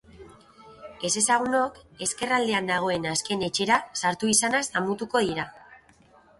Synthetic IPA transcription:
e̞se̞saɣ̞uno̞ke̞ske̞rald̪e̞and̪aɣ̞o̞e̞naske̞ne̞t͡ʃe̞ɾasaɾt̪uisanazamut̪uko̞ðiɾa

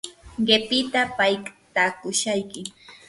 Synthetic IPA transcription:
ɢepɪt̪apajkt̪akʊʃajkɪ

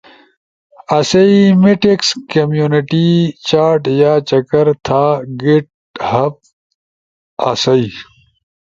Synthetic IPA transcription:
ɐsɐimiʈikskɐmjuniʈit͡ɕaːɾʈjaːt͡ɕɐkɐɾt̪ʰaːɡeʈ̚ | hɐp̚ | ɐsɐi

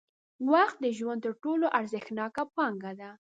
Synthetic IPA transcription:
waxt̪̚d̪əʒwand̪̚t̪əɾʈoloʔaɾzəxnɑkapɑŋɡad̪a

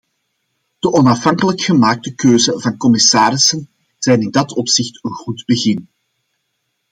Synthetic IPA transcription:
d̥əʔɔnɑfɦɑŋkələkxəmaːk̚təkøːzəvɑnkɔmɪsaːɾɪsən | z̥ɛjnɪndɑtʰɔpsɪxtənɣudbəɣɪn

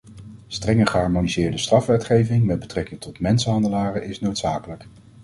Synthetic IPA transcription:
strɛŋəχəɦɑɹmonizɪːɹdəstrɑfʋɛtχejvɪŋmɛd̚bətrɛkɪŋtɔtmɛnsəɦɑndəlaːrəʔɪsnowtsaːkələk

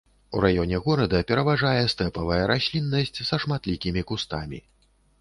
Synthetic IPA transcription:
uɾajɔnʲɛɣɔɾɐd̪ɐpʲɛɾɐvaʐajɛst̪ɛpɐvɐjɛɾaɕʲlʲinːɐsʲt͡sʲsɐʂmat̪lʲikʲimʲikust̪amʲḭ

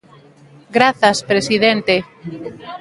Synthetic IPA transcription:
ɡɾaθaspɾesiðent̪e

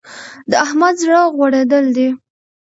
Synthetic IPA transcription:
d̪əahmad̪zɽəɣwaɽed̪əld̪i

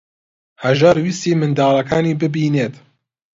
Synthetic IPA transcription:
hɐʒaːɾwist̪iːmɨnd̪ɑːlɐkʰaːniːbɨbiːneːt̪

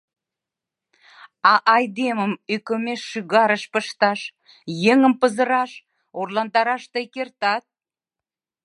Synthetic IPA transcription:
ɑʔɑjd̪eməmykə̆meʃːyɣɑɾəʃpəʃt̪ɑʃ | jeŋə̆mpəzəɾɑʃ | orlɑnd̪ɑɾɑʃt̪ekert̪ɑt̪̚

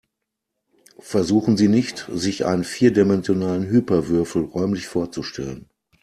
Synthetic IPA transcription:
fɛɐzuːχn̩ziːnɪçtzɪçʔa̰ɪnənfiːɐdemɛnzjonaːlənɦyːpɐvʏɐfl̩ʁɔʏmlɪçfoːɐt͡suʃtʰɛ̰lən

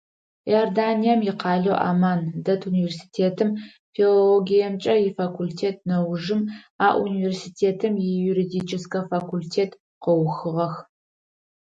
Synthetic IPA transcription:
jordaːnijɛmjɪqʰɑːɮɐwʔa̰ːmaːndɐtʰuniversi̥tʰeːtʰɨm | filoloɡʲijɐmt͡ʃʼɐjɪfakʷʰultʰeːt̚ʰnɐwʐɨm | aːʔuniversitʰeːtʰɨmjɪjuɾidiːt͡ʃʰɪskʰɐfakʰultʰeːtʰ | qəwxɨʁɐx

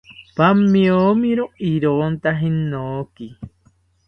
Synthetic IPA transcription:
pamĩomĩɾoiɾont̪aɦinoki

